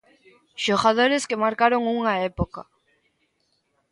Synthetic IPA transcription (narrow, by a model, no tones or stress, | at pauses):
ʃoɣaðoɾɪskemaɾkaɾoŋuŋaɛpoka